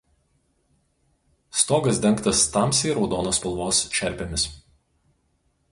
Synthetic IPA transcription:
st̪oːɡɐsd̪ʲɛŋkt̪ɐst̪ɑˑmsʲiːɾɒʊd̪oːnoːspʲɐlˠʋoːsʃʲɛɾʲpʲemʲɪs

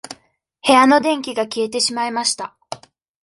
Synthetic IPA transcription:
he̞ano̞d̪ẽ̞ŋkʲiɡakʲie̞t̪e̞ɕimaimaɕi̥t̪a

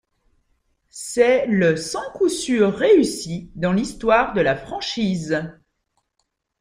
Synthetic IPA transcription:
sɛləsɑ̃kusyʁːeysid̪ɑ̃list̪waʁd̪əlafχɑ̃ʃiːz

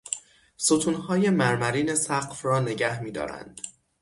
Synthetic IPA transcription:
sot̪ʰunhɒːje̞mæɾmæɾiːne̞sæɢfɾɒːne̞ɟæhmiːd̪ɒ̰ːɾæ̰nd̪̥

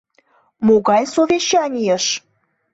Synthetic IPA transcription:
moɣɑjsovʲeɕɑnʲijəʃ

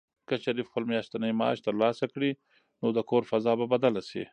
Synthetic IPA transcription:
kəʃaɾifxpəlmjɑʃt̪anəjmɑ̰ːʃt̪əɾlɑsakɽi | nod̪əkʰoɾfazɑbabad̪alasḭ

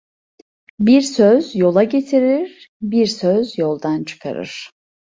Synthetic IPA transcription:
biɾsøzjo̞lˠaɟe̞t̪ʰiɾiɾ | biɾsøzjo̞lˠd̪ant͡ʃʰɯ̥kʰa̰ɾɯ̰ɾ̥

